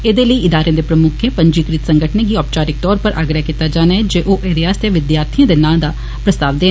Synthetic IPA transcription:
ed̪eːləiːɪd̪aːɾẽːd̪eːpɾəmʊkʰẽːpə̃ɲd͡ʒiːkɾɪt̪sə̃ŋɡəʈʰnẽɡiːɔːp̚t͡ʃaːɾɪk̚t̪ɔːɾpəɾʔa̰ːɡɾəakit̪ːaːd͡ʒaːnaːɛd͡ʒeːʔoːʔeɾiaːst̪jeʋɪd̪jaːɾt̪ʰijãːd̪enãːd̪aː | pɾəst̪aːʋd̪eː

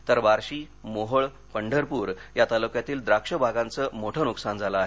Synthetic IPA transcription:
t̪əɾʋaɾɕiː | moɦəɭ | pəɳɖʱəɾpuːɾjat̪aləkjat̪iːld̪ɾakʂəbʱaɡãnt͡səːmoʈʰənuksand͡zʱaləaɦe

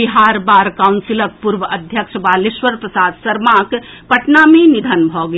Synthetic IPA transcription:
iɦaːɾbaːɾkaʊnsɪlək̚puɾʋəʔɐd̪ʱjəkʃbaːlɪʃʋəɾpɾɐsaːd̪sɐɾmãːk | pɐʈnamẽnɪd̪ʱənbʱɔːɡ

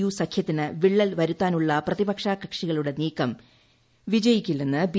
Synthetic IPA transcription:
juːsɐkʰjɐt̪ːinɨʋiɭːɐlʋɐɾut̪ːaːnuɭːɐprɐðibɐkʂaːkɐkʂiɣɐɭuɽe̞niːkːɐm | ʋid͡ʑɐjikʲːilːenːɨb

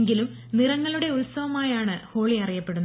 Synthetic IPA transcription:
ŋɡilum | nirɐŋːɐɭuɽe̞ulsɐʋɐmaːjaːɳɨho̞ːɭiɐrijɐpːe̞ɽunː

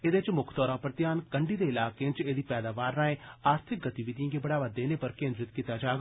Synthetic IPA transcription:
ed̪et͡ʃmʊkʰt̪ɔːɾãːpəɾt̪jaːnkəɳɖiːd̪eːɪlaːkeːt͡ʃeːd̪iːpɛːd̪aːʋaːɾnaːẽːaːɾt̪ʰɪk̚ɡət̪iʋɪd̪jãːɡeːbəɽaːʋaːd̪eːneːpəɾkẽːnd̪ɾɪt̪kit̪ːaːd͡ʒaːɡ

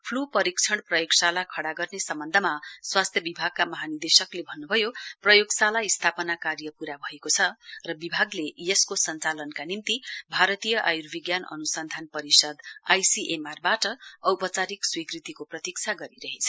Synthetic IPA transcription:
pʰlupʌɾikt͡sʰʌɽprʌjoɡsalakʰʌɽaɡʌrnesʌmbʌnd̪ʱʌmaswast̪ʰjʌbibʱaɡ̚kamʌɦanird̪esʌklebʱʌnːubʱʌjoprʌjoɡsalaist̪ʰapʌnakaɾjʌpuɾabʱʌekot͡sʰʌrʌbibʱaɡlejeskosʌnt͡salʌnkanimt̪ibʱaɾʌt̪ijʌʔajurbʱiɡjanʌ̰nusʌnd̪ʱanpʌɾisʌd̪ajsiʔemarbaʈʌʌwpʌt͡saɾikswikrit̪ikoprʌt̪ik̚t͡sʰaɡʌɾiɾʌɦet͡sʰʌ̥

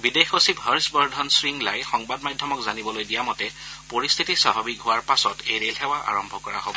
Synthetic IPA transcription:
bidexosibʱɦaɹsbɔɹdʱɔnsɹiŋlajxɔŋbadmadʱjɔmɔkzanibɔlojdijamɔtɛpoɹist̪ʰitisabʱabikɦʊwaɹpasɔtejɹelɦɛwaʔa̰ɹɔmbʱɔkɔɹa̰ɦo̰bɔ

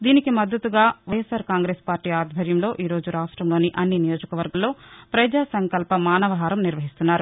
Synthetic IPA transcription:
d̪iːnikimɐd̪ːɐt̪uɡaːʋɐjesaːɾkaːŋɡɾe̞ːspaːɾʈiːaːd̪bʱɐɾjɐmlo̞ːʔiːɾo̞ːd͡ʒuɾaːʂʈɾɐmloːniʔɐnːinijo̞ːd͡ʒɐkɐʋɐɾɡɐmlo̞ːpɾɐd͡ʒaːsɐŋkɐlpɐmaːnɐʋɐɦaːɾɐmniɾʋɐɦist̪unːaːɾu

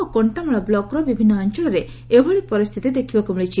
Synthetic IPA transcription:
okoɳʈamɔɭɔblɔkɾɔbibʱinːɔːɲt͡ʃɔɭɔɾe | ebʱɔɭipɔɾist̪ʰit̪id̪ekʰibɔkumiɭit͡ʃʰi

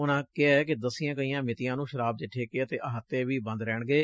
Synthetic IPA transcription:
ʊnãːkɪɛɛːkɪd̪əsɪjãːkəijãːmɪt̪ɪjãːnũːʃəɾaːb̚d͡ʒ̪ɪʈʰːeːkeːət̪eːʔəɦət̪ːeːʋiːbə̃nd̪ɾɛːɳɡeː

